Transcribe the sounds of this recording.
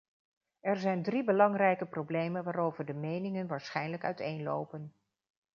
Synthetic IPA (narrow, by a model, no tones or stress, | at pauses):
ɛɹzɛjndribəlɑŋrɛjkəprowblejmənʋaːɾowvəɹdəmejnɪŋənʋaːɹsχɛjnləkœ̰ɥtejnlo̰wpən